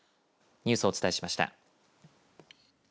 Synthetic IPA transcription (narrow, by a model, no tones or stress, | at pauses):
ɲ̟ʲɨ̟ːsɨot͡sɨ̥aeɕi̥maɕi̥t̪a̰